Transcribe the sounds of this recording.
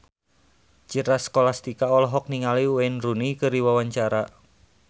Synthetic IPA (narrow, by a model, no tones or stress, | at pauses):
t͡ʃiɾaskolast̪ikaɔlɔɦɔk̚niŋaliwenrunikəɾiwawaɲt͡ʃaɾa